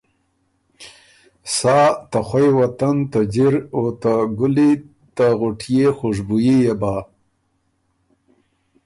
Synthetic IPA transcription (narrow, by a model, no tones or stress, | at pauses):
saːt̪axwajwat̪ant̪ad͡ʒiɾot̪aɡʊli | t̪aɣʊʈʰjexoʐbujijeba